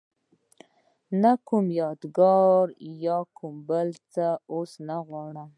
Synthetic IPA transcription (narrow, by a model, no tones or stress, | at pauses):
nakumjɑd̪ɡɑɾjɑkʰʊmbəlt͡saosnaɣwɑɽəm